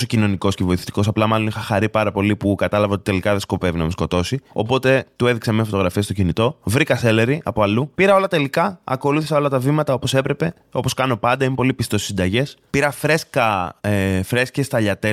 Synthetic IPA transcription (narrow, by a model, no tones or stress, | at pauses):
so̞cino̞niko̞scevo̞iθe̥t̪i̥ko̞sɐplɐmɐlo̞nixɐxɐɾipɐɾɐpo̞lipukɐt̪ɐlɐvɐot̪it̪e̞likɐðe̞sko̞pe̞vinɐmesko̞t̪o̞sio̞̰po̞t̪e̞t̪ue̞ðiksemiɐsfot̪oɣɾɐfie̞st̪o̞cinit̪o̞vɾikɐse̞le̞ɾiʔɐ̰po̞ɐlupiɾɐo̞lɐt̪e̞likɐɐ̰ko̞luθisɐo̞lɐt̪ɐvimɐt̪ɐo̞po̞se̞pɾe̞pe̞ | o̞po̞skɐno̞pɐnd̪ɐimepo̞lipist̪osisind̪ɐʝe̞spiɾɐfɾe̞skɐefɾe̞scest̪ɐʎɐt̪e